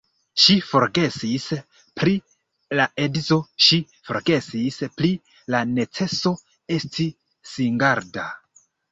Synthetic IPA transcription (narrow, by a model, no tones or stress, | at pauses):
ʃifo̞ɾɡe̞sis | pɾi | laʔe̞dito̞ʃi | fo̞̰ɾɡe̞sispli | lane̞t͡se̞so̞ | e̞stʰi | siŋɡaɾda̰